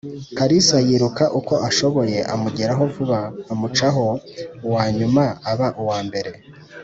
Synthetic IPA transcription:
kaɾisajiɾukaʔuko̞ʔaʃo̞βo̞je̞ʔamuɟeɾaɦo̞vuβaːmut͡ʃaɦo̞uwaːɲumaaβaʔuwaːmbe̞ɾe̞

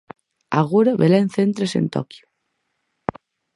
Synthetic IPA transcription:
a̰ɣuɾaβelaenθent̪ɾesḛnt̪ɔ̰kju

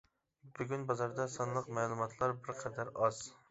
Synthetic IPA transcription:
byɡʲynbɑzɑɾd̪ɑsɨnlˠəqmɛːlˠumɑt̪ʰlˠɑɾbɪɾqʰɛd̪æɾɑz̥

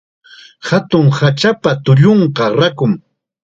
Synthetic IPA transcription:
hat̪ʊŋhat͡ʃapat̪ʊʎoɴqɑɾakʊŋ

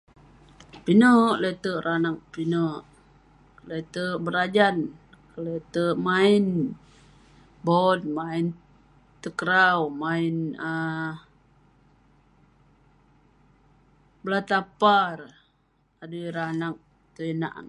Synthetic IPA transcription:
pinəʔlet̪əʔɾanak̚pinəʔ | let̪əʔbəɾad͡ʒan | kəlet̪əʔmain | bɔt̚main | t̪əkəɾawmainə | blat̪apar | adəɾanak̚ | t̪əina̰ʔŋ

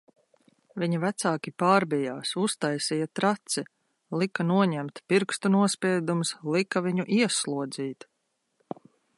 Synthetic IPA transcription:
viɲivæt̪saːkʲipaːɾbijaːsust̪ajsijat̪ɾat̪si | likanuɔɲɛmt̪piɾkst̪unuɔspʲiɛd̪umslˠikaviɲuʔiɛslˠuɔd̪ziːt̪

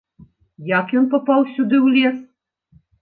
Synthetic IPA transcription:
jakjɔnpɔpɑwsʲud̪ɨwlʲes

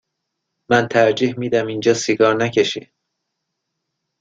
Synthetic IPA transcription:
mænt̪ʰæɾd͡ʒehmiːd̪æmind͡ʒɒːsiɡɒːɾnæcʰeʃḭ

